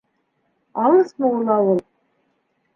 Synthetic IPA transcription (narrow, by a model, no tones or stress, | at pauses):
ɑlˠɤsmɤulˠɑwɤlˠ